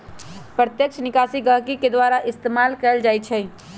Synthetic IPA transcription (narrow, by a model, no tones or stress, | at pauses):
pɾət̪jəkʃʰnɪkaːsiɡəɦkiked̪waɾaʔɪst̪emaːlkɛld͡ʒaːjt͡ʃʰɛ